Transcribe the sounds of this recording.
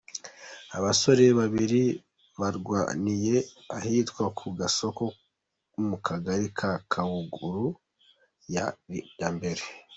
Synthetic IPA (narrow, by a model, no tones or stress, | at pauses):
aβaso̞ɾe̞βaβiɾi | βaɾɡwa̰nije̞ | ahitkwakʰuɡaso̞ko̞ | mukʰaɡaɾikʰakʰawuɡuɾu | jajambe̞ɾe